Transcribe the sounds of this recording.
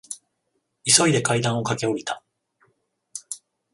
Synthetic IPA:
iso̞id̪e̞kaid̪ão̞kake̞o̞it̪a

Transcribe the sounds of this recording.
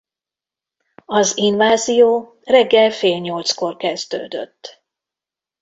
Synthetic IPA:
ɒzinvaːzijoː | rɛɡːɛlfeːlɲo̞lt̪sko̞rkɛzd̪ø̰ːd̪ø̰t̪ː

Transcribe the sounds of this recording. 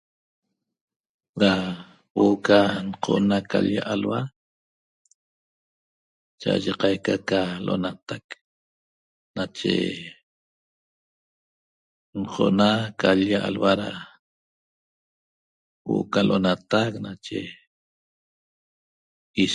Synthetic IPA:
ɾa | woʔokanqʰoʔnakaʎjaʔalwa | t͡ʃaʔa̰ʒeqɑjkakaloʔo̰nat̪ak | nat͡ʃḛ | nqʰoʔnakaʎjaʔalwaɾa | wo̰ʔokaloʔonat̪aknat͡ʃḛ | i

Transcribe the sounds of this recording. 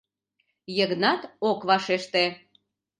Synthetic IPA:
jəɣnɑt̪okβɑʃeʃt̪e

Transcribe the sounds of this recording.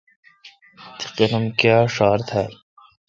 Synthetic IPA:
t̪ʰi̥qenɐmkaːʂaːɾt̪ʰaːl

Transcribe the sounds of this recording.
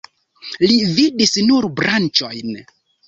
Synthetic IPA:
lividisnuɾbɾant͡ʃojn

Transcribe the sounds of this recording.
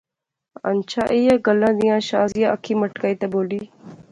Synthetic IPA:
ɐ̰nt͡ɕʰaʔijaɡɐlãːd̪ijãːɕaːzijaʔɐkʰiːmɐʈkait̪ɐboːliː

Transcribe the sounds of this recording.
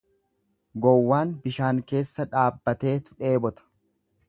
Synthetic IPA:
ɡɔwːaːnbɪʃaːŋke̞ːsːɐᶑaːbːɐt̪e̞ːt̪ʊ̥ᶑe̞ːbɔt̪ɐ̥

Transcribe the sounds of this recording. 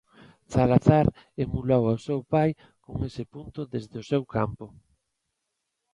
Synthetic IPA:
θalaθaɾemulawaosewpaj | koŋesɪpunt̪ʊðezðɪʊsewka̰mpʊ

